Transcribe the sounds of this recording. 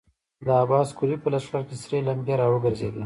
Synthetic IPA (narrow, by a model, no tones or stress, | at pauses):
d̪əabɑːskulipəlaskaɾkesɾelambeɾɑwəɡəɾzḛd̪a